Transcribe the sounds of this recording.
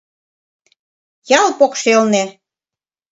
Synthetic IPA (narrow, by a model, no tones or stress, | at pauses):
jɑlˠpokʃelnĕ